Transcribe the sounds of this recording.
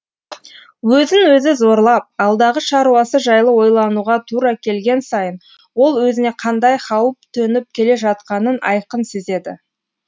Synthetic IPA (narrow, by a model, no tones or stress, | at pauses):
wɵzɪnwɵzɪzo̞ɾlˠɑp̚ɑlˠd̪ɑʁəʃɑɾuɑsəʒɑjlˠəwo̞jlˠɑnuʁɑt̪ʰuɾɑkʲʰe̞lɡʲe̞nsɑjən | wo̞lˠwɵzɪne̞qʰɑnd̪ɑjχɑwəp̚t̪ʰɵnɪp̚kʲʰe̞le̞ʒɑt̪̚qɑnənɑ̰jqənseze̞d̪ɪ̰